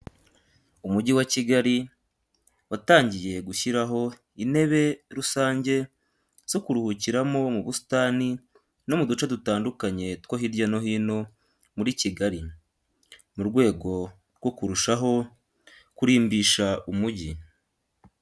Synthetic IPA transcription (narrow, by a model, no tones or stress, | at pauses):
umuɟiwaciɡaɾi | wataːɲɟije̞ɡuçiɾaɦo̞ | ine̞βe̞ɾusaːɲɟe̞ | z̥okuɾuhuciɾamo̞muβustaːni | no̞mudut͡ʃadutaːndukaɲe̞tkwoɦiɾɟano̞ɦiːno̞ | muɾiciɡaɾi | muɾɡwe̞ːɡo̞ | ɾɡwo̞kuɾuʃaɦo̞ | kuɾiːmbiːʃaumuɟi